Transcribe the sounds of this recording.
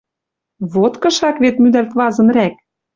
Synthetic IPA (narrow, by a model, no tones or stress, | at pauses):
βot̪kɤ̆ʃɑkβet̪myd̪ælk̪βɑzɤ̆nræk̚